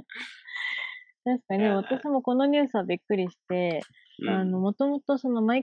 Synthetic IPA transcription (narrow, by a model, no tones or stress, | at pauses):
t̪aɕi̥kaɲieβ̞at̪aɕimo̞ko̞no̞ɲ̟ʲɨ̟ːsɨβabʲikːɯ̟ɾʲiɕi̥t̪e̞ | ano̞mo̞t̪o̞mo̞t̪oso̞no̞mai